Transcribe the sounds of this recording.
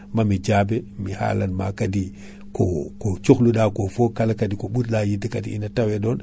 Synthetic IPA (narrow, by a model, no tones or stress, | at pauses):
mamid͡ʒabemiha̰lanma̰kadi | kokot͡ʃuxluɗakofokalakadikoɓutlajidikadiinatawedon